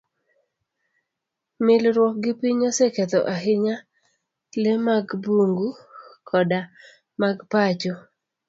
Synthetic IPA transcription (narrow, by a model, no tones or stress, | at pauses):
mɪlɾwɔk̚ɡɪpiɲɔseket̪ɔ̰ʔaɦɪɲa | lemaɡbuŋɡukʰɔda | maɡpat͡ʃo